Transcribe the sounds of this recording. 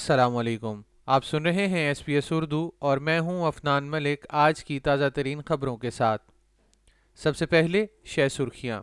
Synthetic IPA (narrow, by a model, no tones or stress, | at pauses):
ɐsɐlaːmɐleːkʊm | aːpsʊnɾɐɦeɦɛ̃ɛsbiːɛsʊɾd̪uɔːɾmɛ̃ːɦũɐfnaːnmɐlɪkaːd͡ʒkit̪aːzat̪ɐɾiːnxɐbɾõkesaːt̪̚ʰ | sɐbsepɛɦleʃɛːsʊɾxijã̰ː